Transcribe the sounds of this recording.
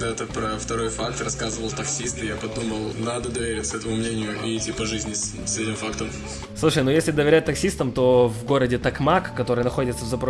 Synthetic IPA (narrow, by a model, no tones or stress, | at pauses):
d̪at̪əpɾəft̪ɐɾo̞jfakt̪rɐskazɨvəlˠt̪ɐksʲist̪ɨjapɐd̪uməlˠnad̪əd̪əvʲeɾʲɪtʲsɛt̪əmʊmnʲenʲɪjʊɪtʲipɐʐɨzʲnʲɪ | sɛtʲɪmfakt̪əm | slˠuʂəjnujesʲlʲɪd̪əvʲɪɾʲæt̚ʲt̪ɐksʲist̪əmt̪o̞vɡo̞ɾədʲɪt̪ɐkmakkːɐt̪o̞ɾɨjnɐxo̞dʲɪt̪səvzɐpɾo